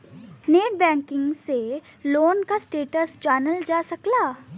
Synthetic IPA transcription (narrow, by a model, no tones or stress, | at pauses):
neːʈ̚bɛ̃ːŋkɪ̃ŋɡseloːnkasʈeːʈəsd͡ʒaːnəld͡ʒaːsɐklaː